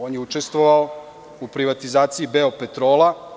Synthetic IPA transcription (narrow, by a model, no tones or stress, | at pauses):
oːnjeut͡ʃe̞st̪ʋoʋao | upɾiʋat̪izaːt̪siibeo̞pe̞t̪ɾo̞ːla